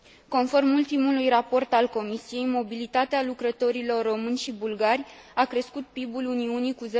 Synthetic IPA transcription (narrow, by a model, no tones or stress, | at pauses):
ko̞nfo̞rmult̪imulujrapo̞rt̪alko̞misije̞jmo̞bilit̪at̪ealukɾət̪o̞ɾilo̞rːo̞mɨnʲʃibulɡarʲakɾe̞skut̪̚pibuluniunikuz